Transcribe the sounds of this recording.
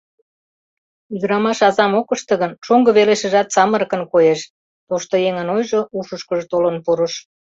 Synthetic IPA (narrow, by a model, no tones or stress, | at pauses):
yd̪əɾɑmɑʃɑzɑmokəʃt̪ə̆ɣənʃoŋɡəβeleʃə̆ʒɑt̪sɑməɾkənkojeʃ | t̪oʃt̪ojeŋənojʒoʔuʃəʃkəʒt̪olənpuɾəʃ